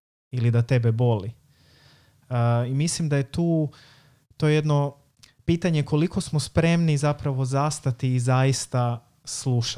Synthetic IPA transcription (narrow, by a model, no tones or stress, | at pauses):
ilid̪at̪e̞bebo̞li | imislimd̪aje̞t̪uː | t̪o̞jejed̪no̞ | piːt̪aɲe̞ko̞liko̞smospɾe̞mnizapɾaʋo̞zast̪at̪iːzajist̪a | slˠuʃ